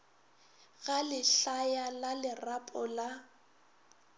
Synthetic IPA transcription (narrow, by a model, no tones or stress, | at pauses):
ɣalɪɬajalalɪrapʼɔla